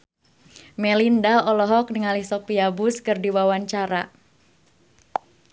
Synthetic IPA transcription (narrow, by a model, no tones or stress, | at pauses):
mɛlindaɔlɔɦɔk̚niŋalisɔk̚piabʊskɨrdiwawaɲt͡ʃaɾa